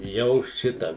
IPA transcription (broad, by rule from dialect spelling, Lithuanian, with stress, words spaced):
ˈjɛʊ ˈʃʲɪtɑː